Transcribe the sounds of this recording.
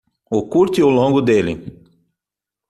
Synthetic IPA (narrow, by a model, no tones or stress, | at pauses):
ʊkuɾt̪ɪolõŋɡʊd̪elɪ̰